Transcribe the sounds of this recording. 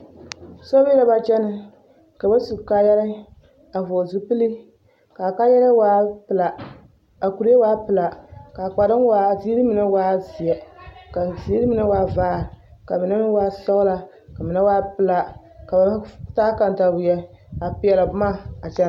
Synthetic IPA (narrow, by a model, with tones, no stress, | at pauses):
sɔ˦bla˦ba˨t͡ʃɛ˦nɨ˦ | ka˨ba˦su˨ka˦jɛ˦ɾɨ˦ | a˨vo˨zu˦pɨ˦li˦ | ka˨ka˦jɛ˦la˦waː˦pɨ˨la˨ | a˨ku˨ɾi˦e˦waː˦pɨ˨la˨ka˨k͡pa˨ɾɨ˦n˦wa˦zi˦ɾi˦mɨ˨na˦waː˦zi˨ɛ˨ka˨zi˦ɾi˦mɨ˨na˦waː˦vaː˦˨ɾka˨mɨ˨na˦m˦waː˦sɔ˦ɣla˨ | ka˨mɨ˨na˦waː˦pɨ˨la˨ | ka˨ba˨˦taː˦ka˨nta˨bʊ˨jɛ˦ | a˨pi˨ɛ˨la˨bmaː˦˨a˨t͡ʃɛ˦n˦